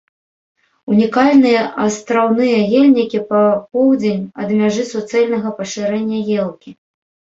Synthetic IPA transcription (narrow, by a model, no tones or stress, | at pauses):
unʲikalʲnɨjɛʔɐst̪ɾawn̪ɨjɐɣelʲnʲikʲipɐpɔwd͡zʲenʲɐd̪mʲaʐɨsut̪sɛlʲnɐɣɐpɐʂɨɾɛnʲːɐjɛlˠkʲi